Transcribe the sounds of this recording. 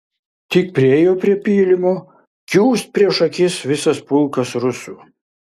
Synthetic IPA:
t̪ʲɪk̚pʲɾʲɪɛːjoːpʲɾʲiɛpʲiːlʲɪmoː | kʲuːsʲt̪̚ʲpʲɾʲiɛʃɐkʲɪsʋʲɪsɐspʊlˠkɐsɾʊsuː

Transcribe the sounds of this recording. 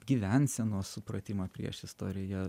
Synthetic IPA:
ɡʲiːʋʲænʲsʲɛnuɔsʊpɾɐt̪ʲɪmoːpʲɾʲḭɛʃɪst̪o̰ːɾʲɪjɛː

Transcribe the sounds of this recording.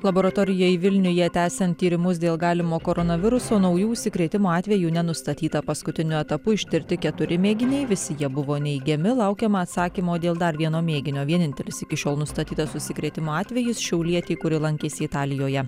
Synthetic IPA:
lˠɐboːɾɐt̪oːɾʲɪjoːɪʋʲɪlʲnʲʊjɛt̪ʲæːsʲɛnt̪ʲːiːɾʲɪmʊs̬d̪ʲeːlˠɡɑːlʲɪmoːkoːɾɔnɐʋʲɪɾʊsoːnɒʊjuːʊʃʲsʲɪkɾʲeːt̪ʲɪmoːɑːt̪ʲʋʲɛjuːnʲɛnʊst̪ɐt̪ʲiːt̪ɐpɐskʊt̪ʲɪnʲʊɛt̪ɐpʊɪʃʲt̪ʲɪɾʲt̪ʲɪkʲɛt̪ʊɾʲɪmʲeːɡʲɪnʲɛɪʋʲɪsʲɪjiɛbʊʋoːnʲɛɪɡʲɛmʲɪlˠɐʊkʲɛmɐːt̪sɑːkʲimoːd̪ʲeːlˠd̪ɐɾʋʲiɛnoːmʲeːɡʲɪnʲoːʋʲiɛnʲɪnʲt̪ʲɛlʲɪsɪkʲɪʃʲoːlˠnʊst̪ɐt̪ʲiːt̪ɐsʊʃʲsʲɪkɾʲeːt̪ʲɪmoːɑːt̪ʲʋʲɛjɪsʃʲɛʊlʲiɛt̪ʲɛɪkʊɾʲɪlˠɐŋʲkʲeːsʲɪɪt̪ɑːlʲɪjoːjɛ

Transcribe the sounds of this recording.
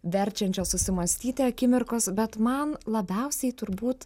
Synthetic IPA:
ʋʲɛɾʲt͡ʃʲɛnʲt͡ʃʲoːssʊsʲɪmɐsʲt̪ʲiːt̪ʲeɐkʲɪmʲɪɾkoːsbʲɛt̪mɐnlˠɐbʲɛʊsʲɛɪt̪ʊɾbuːt̪

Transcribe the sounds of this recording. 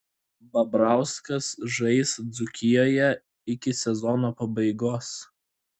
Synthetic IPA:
bɐbɾɑˑʊskɐsʒɐɪsd̪zʊkʲɪjoːjɛ | ɪkʲɪsʲɛzɔnoːpɐbɐɪɡoːs

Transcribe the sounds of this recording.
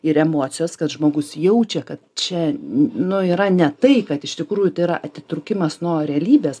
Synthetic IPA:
ɪɾɛmoːt̪sʲɪjɛskɐt̪ʒmoːɡʊsjɛʊt͡ʃʲɛkɐt̪t͡ʃʲɛnʊiːɾɐnʲɛt̪ɐɪkɐt̪ɪʃt̪ʲɪkɾuːjʊt̪ɐɪiɾɐʔɐt̪ʲɪt̪ɾʊkʲɪmɐsnuɔɾʲɛɐlʲiːbʲeːs

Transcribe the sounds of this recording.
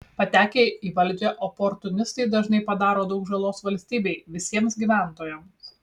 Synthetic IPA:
pɐt̪ʲæːkʲeiːʋɐlʲd͡ʒʲeːʔopɔɾt̪ʊnʲɪst̪ɐɪd̪ɐʒnɐɪpɐd̪ɑːɾoːd̪ɐʊkʒɐlˠoːsʋɐlʲsʲt̪ʲiːbʲɛɪʋʲɪsʲiɛmsɡʲiʋʲæˑnt̪oːjɛms

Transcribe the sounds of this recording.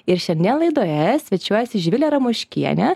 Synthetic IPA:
ɪɾʃʲɛnʲd̪ʲɛlˠɐɪd̪oːjɛsʲʋʲɛt͡ʃʲuɔjɛsʲɪʒʲʋʲɪlʲɛɾɐmuʃʲkʲiɛnʲɛ

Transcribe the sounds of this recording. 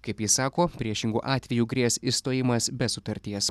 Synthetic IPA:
kɐɪpjɪsɑːkoːpʲɾʲiɛʃʲɪŋɡṵːʔɑːt̪ʲʋʲɛjuːɡɾʲiɛsist̪oːjɪmɐsbʲɛsʊt̪ɐɾʲt̪ʲiɛs

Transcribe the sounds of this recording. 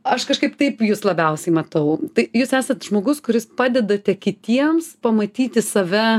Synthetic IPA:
ɐʃkɐʃkɐɪpt̪ɐɪpjuːslˠɐbʲɛʊsʲɛɪmɐt̪ɐʊt̪ɐɪjuːsæːsɐt̪ʒmoːɡʊskʊɾʲɪspɑːd̪ʲɛd̪ɐt̪ʲɛkʲɪt̪ʲiɛmspɐmɐt̪ʲiːt̪ʲɪsɐʋʲɛ

